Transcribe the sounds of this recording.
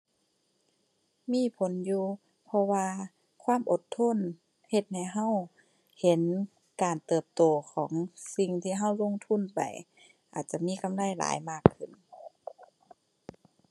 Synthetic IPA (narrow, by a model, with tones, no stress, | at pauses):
miː˧˥˨pʰo˨˦njuː˧ | pʰɔ˧waː˧ | kʰwaː˧˥˨mʔo˧t̪ʰːo˧˥˨n | he˧t̪̚ha˧˩jɦa˧˥˨w | he˨˦n | kaː˨˩nt̪ɤː˨˩p̚t̪oː˨˩kʰɔː˨˩˦ŋsi˧ŋt̪ʰiː˧ɦa˧˩˨wlo˧˨ŋt̪ʰu˧˥˨npa˨˩j | ʔa̰ː˨˩t̪̚t͡ɕa˧˨miː˧˥˨ka˨mla˧˩˨jla̰ː˨˦jmaː˧˩kʰːɯ˧˩n